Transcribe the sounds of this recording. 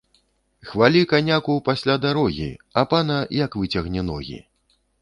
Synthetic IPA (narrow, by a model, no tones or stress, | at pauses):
xvalʲikanʲakupasʲlʲad̪aɾɔɣʲḭapanɐjɐkvɨt͡sʲɐɣnʲɛnɔɣʲḭ